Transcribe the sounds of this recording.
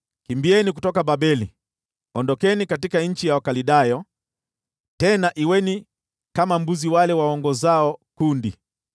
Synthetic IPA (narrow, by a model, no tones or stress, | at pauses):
kimbiɛnik̬utɔkaɓaɓɛli | ɔndɔkɛnikatikaɲ̩t͡ʃijawakaliɗajɔ | tɛnaʔiwɛni | kamambuziwalɛwaɔŋɡɔzaɔkundi